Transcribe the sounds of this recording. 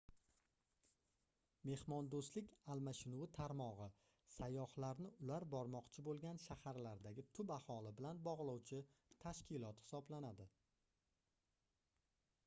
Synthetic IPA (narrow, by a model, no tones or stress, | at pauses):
me̞hmɒnd̪oslɪkʲalmaʃɪnuwɪt̪ʰaɾmɒʁɨ | sajːɒhlaɾnɪʊlaɾbɒɾmɒqt͡ʃʰɪbolˠɡʲanʃahaɾlaɾd̪aɡʲɪt̪ʰʊbahɒlɪbɪlanbɒʁlˠɒwt͡ʃʰɪt̪ʰaʃkʲɪlˠɒt̪hɪ̥sɒblanad̪ɪ